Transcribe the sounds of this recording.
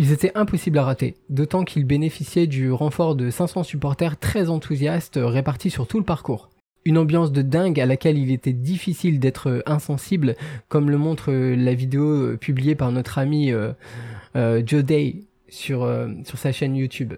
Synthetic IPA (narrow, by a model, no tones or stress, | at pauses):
ilzet̪ɛʔɛ̃pɔsiblaʁat̪ed̪ot̪ɑ̃kʰilbenefisjɛd̪yʁɑ̃fɔʁd̪əsɛ̃sɑ̃sypɔʁt̪ɛʁt̪χɛzɑ̃t̪ʰuzjast̪ʁepaʁt̪ʰisyʁt̪uləpaʁkuːʁ | ynɑ̃bjɑ̃s̬d̪əd̪ɛ̃ɡalakʲɛlilet̪ɛd̪ifisild̪ɛt̪χəɛ̃sɑ̃siblkɔmləmɔ̃t̪χəlavid̪eoø̰pʰyblijepaʁnɔt̪χamiø | ød͡ʒod̪ɛj | syʁøsyʁsaʃɛnjut̪ʰyb